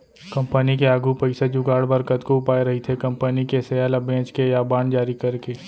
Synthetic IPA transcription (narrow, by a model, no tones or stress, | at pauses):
kɐ̃mpənikeaːɡʱupɐɪsad͡ʒukaːɽbəɾkət̪koʊpaːeɾɐɦit̪ʰekɐ̃mpənikesejaːlabẽːt͡ʃkejaːbaːɳɖd͡ʒaːɾikɐɾkeː